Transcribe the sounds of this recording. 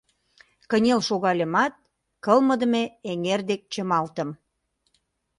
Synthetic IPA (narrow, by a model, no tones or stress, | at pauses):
kə̆nʲelʃoɣɑlʲemɑt̪̚ | kəlmə̆d̪ə̆meeŋerd̪ek̚t͡ɕəmɑlt̪ə̆m